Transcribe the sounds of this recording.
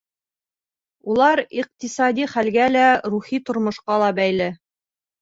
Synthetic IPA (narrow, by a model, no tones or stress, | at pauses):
ulˠɑɾiq̚t̪isɑd̪iχælɡælæɾuχit̪ŏɾmŏʃqɑlˠɑbæjlɘ